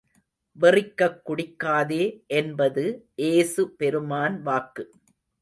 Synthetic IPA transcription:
ʋɐrɪkːɐkːʊɽɪkːaːðeːʔɛnbɐðɯʔeːsɯpɛɾɯmaːnʋaːkːɯ

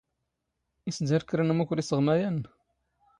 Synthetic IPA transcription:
isd̪æɾkɾænmukʷʊɾisəʁmæjæn

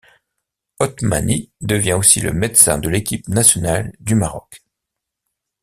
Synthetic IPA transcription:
ɔt̪ma̰nid̪əvjɛ̃osilə̰mɛt̪sɛ̰̃d̪əlekʲipnasjɔnald̪ymaʁɔk

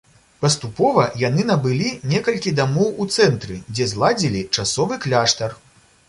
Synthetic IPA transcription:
pɐst̪upɔvɐjanɨnɐbɨlʲinʲɛkɐlʲkʲid̪amɔwut̪sɛnt̪ɾɨd͡zʲɛzlˠad͡zʲilʲit͡ʂasɔvɨklʲaʂt̪ɐr

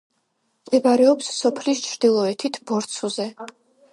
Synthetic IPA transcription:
md̪ɛbaɾɛɔpsːɔpʰlist͡ʃʰɾd̪̥ilˠɔɛt̪ʰit̪ʰbɔɾt̪sʰuzɛ

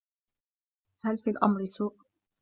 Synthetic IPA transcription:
halfiːlʔa̰mɾɪsuːʔ

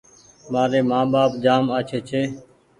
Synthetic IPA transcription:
maːɾeːmãːɓaːpd͡ʒaːmaːt͡ʃʰeːt͡ʃʰeː

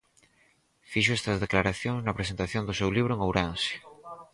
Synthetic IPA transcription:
fiʃoest̪ɐzðeklaɾaθjoŋznɐpɾesent̪aθjond̪osewliβɾoeŋowɾansi̥

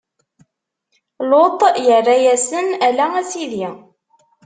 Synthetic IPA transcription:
lot̪ˤjərːajæsənælææsiði

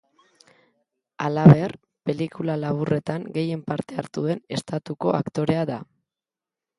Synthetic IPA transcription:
alaβe̞r | pe̞likulalaβ̞ure̞t̪aŋɡe̞je̞mpaɾt̪e̞aɾt̪uðe̞ne̞st̪at̪uko̞akt̪o̞ɾe̞aða

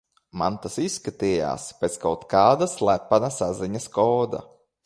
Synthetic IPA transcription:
ma̰nt̪asisːkat̪iːja̰ːspʲet̪skawt̪kaːd̪aslˠæpːanasaziɲaskɔːd̪a̰

